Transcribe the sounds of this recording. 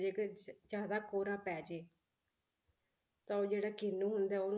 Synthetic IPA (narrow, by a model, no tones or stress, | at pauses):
d͡ʒeːkd͡ʒjaːd̪aːkoːɾãːpɛːd͡ʒeː | t̪ãːoːd͡ʒeːɽaːkɪnːũːɦʊnd̪aːoːn